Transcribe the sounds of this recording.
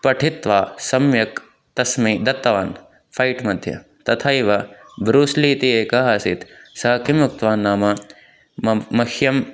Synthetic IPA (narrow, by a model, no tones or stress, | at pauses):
pɐʈʰit̪ʋaːsɐmjɐk | t̪ɐsmiːd̪ɐt̪ːɐʋaːn | fʰɐjʈmɐd̪ʱjɐ̰ | t̪ɐt̪ʰaːiʋɐbɾuːsliːt̪ieːkaɦɐːsit̪sɐɦɐkʰimuk̚t̪ʋaːnːaːmɐ | ɐhjɐm